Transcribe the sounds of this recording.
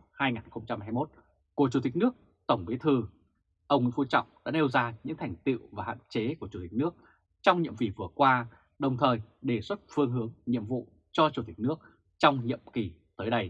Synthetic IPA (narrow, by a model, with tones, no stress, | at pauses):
haː˧jŋaː˨˩nxə˧wŋ͡mt͡ɕa˧mhaː˧jmo˦˥t̚ | ku˧˩ət͡ɕu˨˧˩t̪ï˨˩k̟̚nɨ˦˥ək̚ | t̪ə˧˩wŋ͡mɓi˨˦ət̪ʰɨ˨˩ | ʔə˧wŋ͡mŋi˧˨fu˧t͡ɕɔ̰˧˨wŋ͡mɗa̰ː˧˥ɗe˧wzaː˧ɲɨ̰˧˥ŋt̪ʰɛ˨˩jŋ̟t̪ḭ˧˨wvaː˨˩ha̰ː˧˨nt͡ɕe˨˦ku˧˩ət͡ɕu˧˩t̪i˨˩k̚nɨ˦˥ək̚ | t͡ɕɔ˧wŋ͡mɲḭ˧˨əmvi˨˩vɨ˨˩əkwaː˧ | ɗə˨˩wŋ͡mt̪ʰəː˨˩jɗe˧˩swə˦˥t̚fɨ˧əŋɦɨ˨˦əŋɲḭ˧˨əmvṵ˧˨ | t͡ɕɔ˧t͡ɕu˧˩t̪i˨˩k̟̚nɨ˦˥ək̚ | t͡ɕɔ˧wŋ͡mɲḭ˧˨əmki˨˩t̪əː˨˦jɗə˧j